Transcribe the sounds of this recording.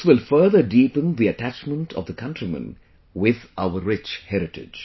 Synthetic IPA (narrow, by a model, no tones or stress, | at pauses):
sʋɪlfəɾd̪əɖiːpə̃nd̪iəʈæt͡ʃmə̃ɳʈʰɔʋd̪əkʰʌ̃nʈɾimə̰̃n | ʋɪðʔaʊəɾːɪt͡ʃhɛɾɪʈɪ̰d͡ʒ